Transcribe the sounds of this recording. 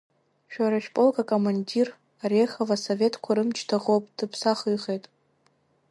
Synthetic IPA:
ʃᶣaɾaʃᶣpʼolkʼakʼomandir | arexavasove̞tʰkʷʰaɾɨmt͡ʃʰtʰaʁowpʼd̥ɨpʰsaχɨjχejtʼ

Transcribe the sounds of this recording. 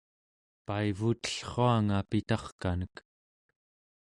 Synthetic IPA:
paivut̪ə̥ɬχoaŋapit̪ɑχkanək

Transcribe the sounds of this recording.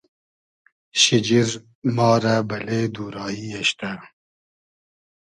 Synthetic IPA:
ɕɪd͡ʒiɾ | mɑːɾabɐled̪uːɾɑːiaɕt̪a

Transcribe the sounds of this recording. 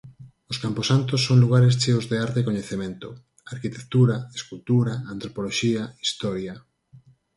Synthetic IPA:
ʊskamposant̪osːoŋluɣ̞aɾes̬t͡ʃeozðeaɾt̪ekoɲeθemẽnt̪ʊ | aɾkit̪ekt̪uɾaeskult̪uɾaant̪ɾopoloʃiaist̪ɔɾja

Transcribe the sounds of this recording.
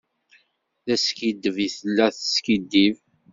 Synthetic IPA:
θæskid̪ːəviθəlːæθskid̪ːiv

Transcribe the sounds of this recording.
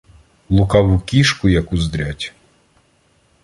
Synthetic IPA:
lˠʊkɑwukʲiʃkʊjɐkʊzd̪ɾʲatʲ

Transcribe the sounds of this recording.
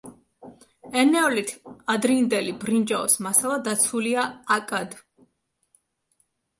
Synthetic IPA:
ɛnɛɔlit̪ʰad̪ɾind̪ɛlibɾind͡ʒaɔsmasalˠad̪at̪sʰuliaːkʼad̪

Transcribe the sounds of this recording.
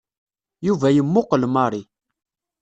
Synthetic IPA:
juvæjəmːʊqəlmɑɾˤi

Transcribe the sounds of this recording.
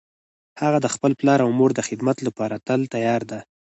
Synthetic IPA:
haɣad̪əxpəlplɑɾawmoɾd̪əxɪd̪mat̪lapɑɾat̪əlt̪ajɑɾd̪a

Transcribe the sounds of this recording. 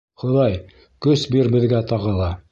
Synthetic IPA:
χŏðɑj | kɵsbiɾbɘ̆ðɡæt̪ɑʁɤ̆lˠɑ

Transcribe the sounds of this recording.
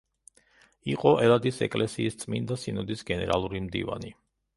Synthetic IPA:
iqʼɔʔɛlˠad̪isɛ̰kʼlɛsiːst̪sʼmind̪asinɔd̪isɡɛnɛɾalˠuɾimd̪ḭva̰ni

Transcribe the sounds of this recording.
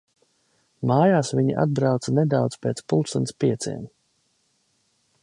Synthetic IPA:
maːjaːsviɲḭʔa̰d̪̚bɾawt̪saned̪awt̪spʲeːt̪spulˠsunspiɛt̪sʲḭɛm

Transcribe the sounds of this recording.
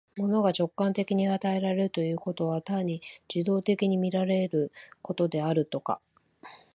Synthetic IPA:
mo̞no̞ɡat͡ɕo̞kːãnt̪e̞kʲiɲ̟iat̪ae̞ɾaɾe̞ɾɯ̟t̪o̞jɯ̟ːko̞t̪o̞β̞at̪aɲ̟ːid͡ʑid̪o̞ːt̪e̞kʲiɲ̟imʲiɾaɾe̞ɾɯ̟ko̞t̪o̞d̪e̞aɾɯ̟t̪o̞ka̰

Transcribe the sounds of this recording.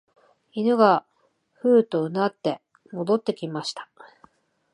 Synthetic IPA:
inɯ̟ɡa | ɸɯ̟ːt̪o̞ɯ̟nat̪ːe̞ | mo̞d̪o̞t̪ːe̞kʲimaɕi̥t̪ḁ

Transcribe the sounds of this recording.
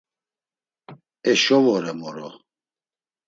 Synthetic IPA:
ɛʃɔvɔɾɛmɔɾɔ

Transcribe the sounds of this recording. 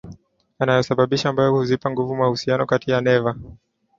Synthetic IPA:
anajɔsaɓaɓiʃaːmbajɔhuzipaŋɡuvumwahusianɔkatijanɛva

